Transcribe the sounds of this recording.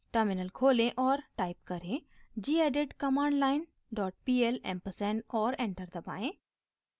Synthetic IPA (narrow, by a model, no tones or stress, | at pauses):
ʈəɾmɪnəlkʰoːlẽʔɔːɾʈaːɪp̚kɐɾẽd͡ʒiːeːɖeʈkɐmãːɳɖlaːɪn | ɖɔːʈ̚piːelɛ̰̃mpəsɛnɔːɾẽːɳʈəɾd̪ɐba̰ːẽː